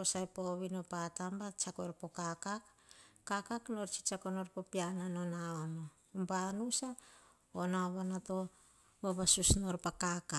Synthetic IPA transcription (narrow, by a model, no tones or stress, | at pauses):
osajpoβinopatambat͡ʃakoɾpo̞kakakːakakno̞ɾt͡ʃi̥t͡ʃakonoɾpopiananonaono | mbanusa | onaoβanato̞ | boβasusnoɾpakaka